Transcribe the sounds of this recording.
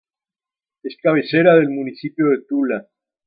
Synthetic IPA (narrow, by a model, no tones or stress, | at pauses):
eskaβeseɾaðe̞lmunisipjo̞ðet̪ula